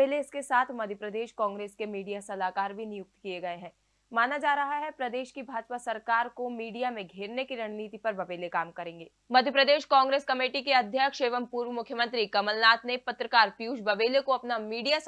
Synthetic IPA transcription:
eːleɪskesaːt̪ʰmɐd̪ʱjəpɾəd̪eːʃkãːŋɡɾeːskemiːɖijasɐlaːkaːɾbʱinɪjʊk̚t̪kijeɡɐeɦɛ̃ː | maːnad͡ʒaːɾɐɦaɦɛpɾɐd̪eːʃkibʱaːd͡ʒpasɐɾkaːɾkomiːɖijamẽɡʱeːɾnekiɾɐɽ̃niːt̪ipɐɾbɐʋeːlekaːmkɐɾẽːŋɡeː | mɐd̪ʱjəpɾəd̪eːʃkãːŋɡɾeːskɐmeːʈikeɐd̪ʱjəkʃeːʋəmpuːɾʋəmʊkʰjəmɐ̃nt̪ɾikɐməlnaːt̪nepɐt̪ɾəkaːɾpjuːd͡ʒbɐʋeːlekoɐpnamiːɖija

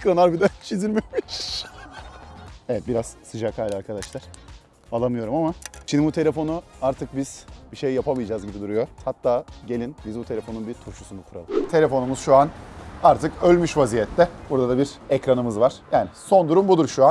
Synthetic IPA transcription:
ekɾanaɾbid̪ænt͡ʃʰizilʲmemiʃ | evɛt̪̚biɾaz̥sɯd͡ʒakʰhaːlʲiaɾkʰad̪aʃlˠaɾ̥ | alˠamɯjo̞ɾumamat͡ʃʰinimbut̪ʰee̞fo̞nuaɾt̪ʰɯk̚biz̥biʃejːapʰamilʲd͡ʒaːzɟibid̪uɾujo̞hat̪ːaːɟe̞lʲinbizbut̪ʰelʲefo̞nunbit̪ʰuɾʃu̥sund̪akʰuɾa̰lˠɯt̪ʰe̞lʲefo̞numuz̥ʃuanaɾt̪ʰɯkølʲmyʃvazijɛt̪lɛbuɾd̪ad̪abiɾɛcɾanɯmɯzvaɾ̥jaːniso̞nd̪uɾumbud̪uɾʃuan

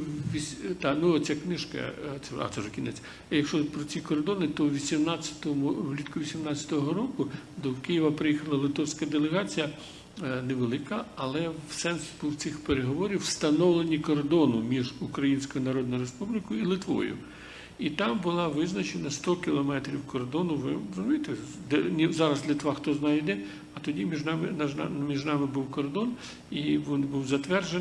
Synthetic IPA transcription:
ʋʲisʲt̪ɑknuɔt͡sʲaknɪʃkɐ̰t̪sɛa̰t̪sɛʒekʲɪnɛt͡sʲɐ | jɐkʃɔpɾɔt͡sʲikɔrd̪ɔnɪt̪ɔwʋʲisʲimnɑt͡sʲːɐ̥t̪ɔmʊwlʲit̪kʊʋʲisʲimnɑt͡sʲjɐ̥t̪ɔɦɔɾɔkʊ | d̪ɔwkɪjiʋɐpɾɪjixɐlˠɐlˠɪt̪ɔwsʲkɐd̪elˠeɦɑt͡sʲijɐ | neʋelˠɪkɐɐlˠɛsɛnsbuwt͡sʲixpeɾeɦɔʋɔɾʲiwst̪ɐnɔwlˠenʲikɔrd̪ɔnʊmʲiʒukɾɐjinʲsʲkɔjʊnɐɾɔd̪̚nɔjʊɾespublʲɪkɔjʊilˠɪt̪ʋɔ̰jʊ̰ | it̪ɑmbʊlˠɑʋɪznɐt͡ʃenɐst̪ɔkʲɪlˠɔmɛt̪ɾʲiwkɔrd̪ɔnʊʋɪzɐmʲijt̪e | d̪nʲizɑɾɐzlʲɪt̪ʋɑxt̪ɔznɑjid̪ɛ | ɐt̪ɔdʲimʲiʒnɑmɪnmʲiʒnɑmɪbuwkɔrd̪ɔn | iʋinbuwzɐt̪ʋɛrʒe

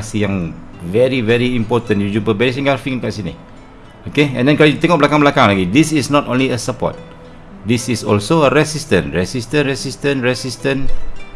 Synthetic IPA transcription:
sijãŋ | vɛɾivɛɾiimpɔt̪ə̃njud͡ʒumpəbɛɾisiŋɡafiŋkaʔsinḭ | okeɛ̰̃ndɛ̃nkalojut̪ɛŋɔk̚bəlakaŋbəlakaŋlaɡidisisnɔtõnliəsəpɔ̰t̪̚ | disisɔlsoəɾɛsistə̃nɹɛsistə̃nɾɛsistə̃nɹɛsistə̃n

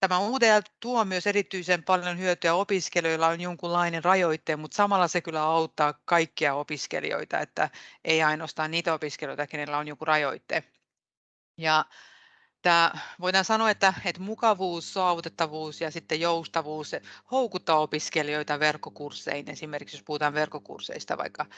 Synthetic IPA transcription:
t̪æmæuːt̪eɑt̪uomyøserit̪ːyisempɑljonhyøt̪øæopiskeljoilːɑonjoŋkulːɑinerɑjoit̪ːemut̪sɑmɑlːɑsekylːæɑut̪ːɑːkɑikːiɑopiskḛlḭo̰it̪ɑ̰ḛt̪ːæ̰ʔeiɑinoost̪ɑːnniːt̪æopiskeljoijt̪ɑkenelːæonjokurɑjo̰it̪ːḛ | jɑ | t̪æːʋoitɑnsɑnoːet̪ːæet̪mukɑʋuːssoɑʋut̪et̪ːɑʋuːsjɑsit̪ːejoust̪ɑʋuːsehoukut̪ːɑopiskelioit̪ɑʋerkːokursːḛinesimerkiksjospuhut̪ɑːʋʋerkːˑokṵrsḛist̪ɑ̰ʋɑ̰ikːɑ

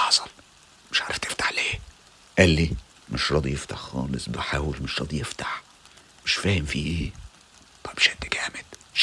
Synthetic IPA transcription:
ʔħzˤɑl | mɪʃʕɑɾˤɑft̪ʰɪ̥ft̪ḁħleː | ʔælːi | mɪʃɾˤɑd̪ijɪft̪aħxɑ̰ːlɪsˤbɪħaːwɪlmɪʃɾˤɑd̪ˤijɪft̪ḁħ | mɪʃfæːhɪmfiːʔ | b̥æbʃæd̪ːɪkæːmed̪ʃ

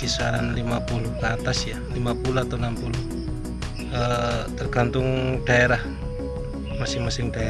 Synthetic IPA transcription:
ɡisaɾanlimapuluhkat̪asjalimapuluat̪awnampuluh | ət̪ərɡant̪ʊŋd̥aeɾah | masɪŋmasɪŋd̥ae

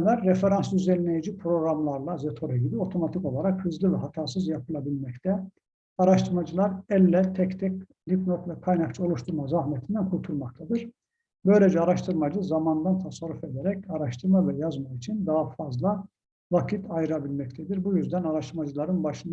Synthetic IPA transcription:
læɾːefeɾansyzɛlnejid͡ʒipʰɾo̞ɡɾamlˠaɾlˠazet̪ʰo̞ɾɛɟibio̞t̪ʰo̞mat̪ʰiko̞lˠaɾakhɯzlʲivɛɦat̪ʰaːsɯzjapʰɯlˠabilʲmɛct̪ʰɛ | aɾaʃt̪ʰɯɾmad͡ʒɯlˠaɾɛlʲːɛt̪ʰɛct̪ʰɛc | lʲipnot̪vɛkʰajnakt͡ʃʰɯo̞lˠuʃt̪ʰuɾmazahmɛt̪ʰind̪ænkʰuɾt̪ʰuɾˠmak̚t̪ʰad̪ɯɾ̥ | bø̞jlʲed͡ʒɛaɾaʃt̪ʰɯɾmad͡ʒɯzamand̪ant̪ʰasaɾːufe̞d̪ɛɾɛcaɾaʃt̪ʰɯɾmavɛjazmakit͡ʃʰind̪aɦafazlˠa | vacʰit̪ʰajɯɾabilʲmɛc̚t̪ʰɛd̪iɾbujyzd̪ænaɾaʃt̪ʰɯɾmad͡ʒɯlˠaɾɯnbaʃɯn

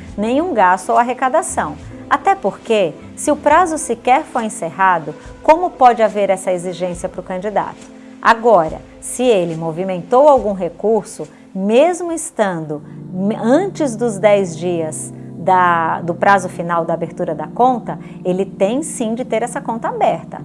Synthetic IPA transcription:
nẽj̃ũɡast̪ʊowaɦekad̪asɐ̃w̃ | at̪ɛpoɾke | sɪʊpɾazʊsikɛɾfojẽseɦad̪ʊ | kõmʊpɔd͡ʒɪaveɾɛsɐeziʒẽsiɐpɾʊkɐ̃nd͡ʒid̪a̰t̪ʊ̥ | a̰ɡɔɾɐ̰ | sɪelɪmovimẽnt̪owawɡũɦekuɾsʊ | mezmʊɪst̪ɐ̃nd̪ʊɐ̃t͡ʃɪzd̪ʊzd̪ɛjzd͡ʒiɐzd̪ɐd̪ʊpɾazʊfinawd̪abeɾt̪uɾɐd̪ɐkõnt̪ɐ | elɪt̪ẽj̃sĩd͡ʒɪt̪eɾɛsɐkõnt̪ɐabɛɾt̪ɐ̰

